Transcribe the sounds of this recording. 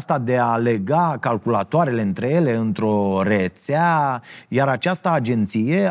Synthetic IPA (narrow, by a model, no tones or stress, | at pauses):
st̪ad̪e̞ale̞ɡakalkulat̪oaɾe̞le̞ɨnt̪ɾe̞je̞le̞ɨnt̪ɾo̞ret̪seajaɾat͡ʃast̪əad͡ʒe̞nt̪sije̞